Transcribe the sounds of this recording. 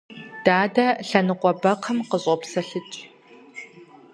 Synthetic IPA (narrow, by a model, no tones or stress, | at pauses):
d̥aːdɐɬɐnɨqʷʼɔbɐqʰɐmqəɕʼɔpsɐɬɨt͡ʃʼ